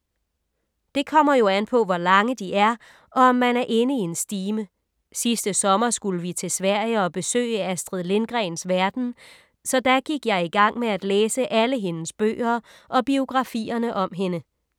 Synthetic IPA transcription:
d̥e̝kʰɒ̽m̰ɐjo̝ænpʰɒ̽ʋɒlɑ̈ŋəd̥iʔæɐ | ʔɒ̽ɒ̽mːænæɐʔe̝nəie̝nsd̥iːmə | sisd̥əsɒ̽mɐsɡ̥uləʋit͡sʰe̝sʋæɐ̰ɪəɒ̽b̥e̝sø̰ːɪəæsd̥ʁiðˠle̝nɡ̥ʁɛɪnsʋæɐd̥n̩ | sɒ̽d̥æɡ̥iɡ̥jɑ̈ɪiɡ̥ɑ̈ŋ̰meæd̥leːsəʔæləɦe̝nəsb̥ø̰ːɐ | ʔɒ̽b̥io̝ɡ̥ʁɑ̈fḭːɐnəʔɒ̽mɦe̝nə

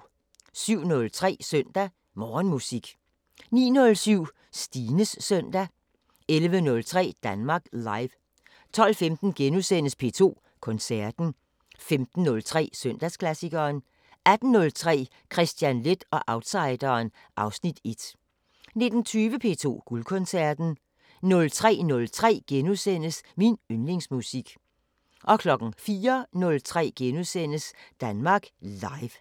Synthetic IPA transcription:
syʊ̰nɔ̽lt͡sʰʁɛ̰ːsœn̰d̥æ | mɒːnmusiɡ̥ | nḭːnɔ̽lsyʊ̰ | sd̥iːnəsːœn̰d̥æ | elʋənɔ̽lt͡sʰʁɛ̰ːd̥ænmɑ̈ːɡ̥lɑ̈ɪʋ | t͡sʰɒ̽l̰femd̥n̩ɡ̥enusen̰əspʰe̝̰ːt͡sʰo̝̰ː | kʰɔ̽nsæɐd̥n̩ | femd̥n̩ːɔ̽lt͡sʰʁɛ̰ːsøn̰d̥æskʰlæsiɡ̥ɐːn | æd̥n̩ːɔ̽lt͡sʰʁɛ̰ː | kʰʁɛsd̥jænle̝d̥ɒ̽ʔɑ̈ʊd̥sɑ̈ɪd̥ɐːn | ʔɑ̈ʊsnid̥e̝d̥ | ne̝d̥n̩t͡sʰyːʋəpʰe̝̰ːt͡sʰo̝̰ːɡ̥ulkʰɔ̽nsæɐd̥n̩ | nɔ̽lt͡sʰʁɛ̰ːnɔ̽lt͡sʰʁɛ̰ːɡ̥enusen̰əsminønle̝ŋsmusiɡ̥ | ʔɒ̽kʰlɒ̽ɡ̥ŋ̩fiːɐnɔ̽lt͡sʰʁɛ̰ːɡ̥enusen̰əsd̥ænmɑ̈ːɡ̥lɑ̈ɪʋ

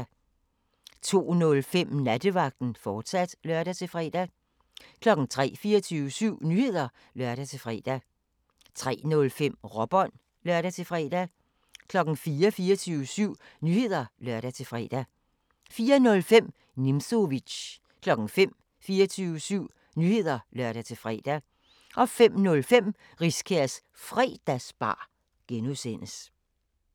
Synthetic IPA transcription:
t͡sʰo̝̰ːnɔ̽lfem̰næd̥əʋɑ̈ɡ̥̚d̥n̩fɒːd̥sæd̥lɶɐɾ̥æt͡sʰe̝lfʁɛ̰d̥æ | kʰlɒ̽ɡ̥n̩t͡sʰʁɛ̰ːfiːɐt͡sʰyːʊəsyʊ̰nyːhe̝ð̞̰ˠɐ | lɶɐ̰ɾ̥æt͡sʰe̝lfʁɛːd̥æ | t͡sʰʁɛ̰ːnɔ̽lfem̰ʁɒ̽b̥ɒn̰ | lɶɐɾæt͡sʰe̝fʁɛ̰ːd̥æ | kʰlɒ̽ɡ̥n̩fiːɐfiːɐt͡sʰyːʊəsyʊ̰ | nyhe̝ð̰ˠɐlɶɐ̰ɾæt͡sʰe̝fʁɛ̰ːd̥æ | fiːɐnɔ̽lfem̰ | nimso̝ʋi̥ɕ | kʰlɒ̽ɡ̥n̩fem̰ | fiːɐt͡sʰyːʊəsyʊ̰ | nyhe̝ð̞̰ˠɐlɶɐ̰ɾ̥æt͡sʰe̝fʁɛ̰ːd̥æ | ʔɒ̽fem̰nɔ̽lfem̰ | ʁiskʰæɐs | fʁɛ̰ːd̥æsb̥ɑ̰̈ː | ɡ̥enusen̰əs

